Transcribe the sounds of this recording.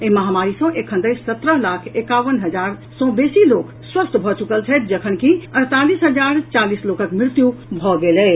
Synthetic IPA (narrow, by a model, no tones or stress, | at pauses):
eməɦamaɾisə̃ʔekʰə̃nd̪əjsət̪ɾəɦlakʰekaʋənɦəd͡ʒaɾsɔ̃besilok | swəst̪ʰbʱɔt͡ʃukəlt͡ʃʰɛt̪̚d͡ʒəkʰənkiəɾt̪alisɦəd͡ʒaɾt͡ʃalislokəkmɪɾt̪jubʱɔɡelɛ